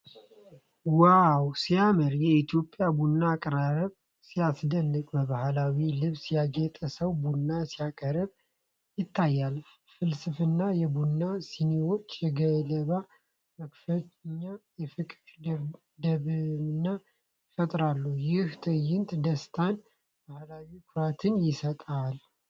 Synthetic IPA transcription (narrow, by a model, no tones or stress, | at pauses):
wawsiaməɾjɛit̪ʰjo̞pʼːjabunːaːkʼɾaɾəβ | sijasd̪ənːɨkʼbəβahlawilɨβsjaɡet̪ʼəsəwbunːasijakʼəɾəβ | jɪt̪ʰːajːal | fɨlsɨfɨnːajɛbunːasinewo̞t͡ʃːjɛɡələβa | məkfət̪ɲːajɛfɨkʼ | d̪əβnːa | fət̪ʼɾalːujɪht̪ʰəjːɪnt̪d̪əst̪ʰan | bahlawikʰʊɾat̪ʰɨnjɪsət̪ʼal